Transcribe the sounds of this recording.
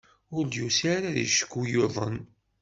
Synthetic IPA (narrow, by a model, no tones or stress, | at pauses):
ʊɾd̪jusaɾaðḭʃə̥kːujoðˤə̰n